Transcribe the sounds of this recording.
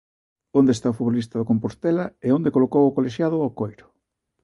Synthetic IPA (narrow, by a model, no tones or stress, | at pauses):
ond̪est̪aofuβolis̬t̪ɐðokompost̪ɛlaeond̪ekolokowʊkoleʃjaðʊawkojɾʊ̥